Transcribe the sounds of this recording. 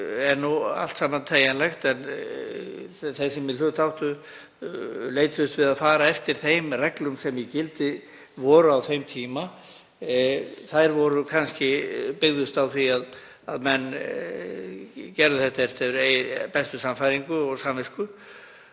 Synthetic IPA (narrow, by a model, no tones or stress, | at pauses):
ɛɾnua̰l̥t̪saːmant̪ʰeːjanlɛxt̪ɛn | θesɛmjɪlʏːt̪ʰawht̪ʏ | leːjt̪ðʏst̪vɪðaðfaːɾaɛft̪ɪɾ̥θejmrɛklʏmsɛmjɛcɪlt̪ɪ | vɔːɾʏawθejmt̪ʰiːma | θajɾvɔɾʏkʰanscɪpɪɣðʏst̪awθviað | aðmɛnː | cɛɾðʏθɛht̪aɛft̪ɛʏɾepɛst̪ʏsamfajɾiŋkʏɔɣsamvɪskʏ